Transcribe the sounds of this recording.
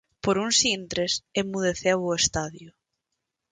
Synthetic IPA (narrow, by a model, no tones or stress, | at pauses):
poɾunsint̪ɾesemuðeθewʊest̪aðjʊ